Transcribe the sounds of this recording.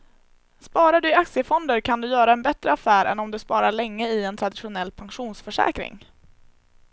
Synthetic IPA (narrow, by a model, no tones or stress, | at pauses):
spɑːɾaɖɵɪak̪sɪəfɔnd̪əɾkʰand̪ɵjœːɾaɛnbɛt̪ɾəafæːɾɛ̰nɔmd̪ɵspɑːɾaɭɛŋːəɪɛnt̪ʰɾad̪ɪɧʊnɛlːpʰaŋɧuːnsfœʂɛ̰ːkɾɪ̰ŋ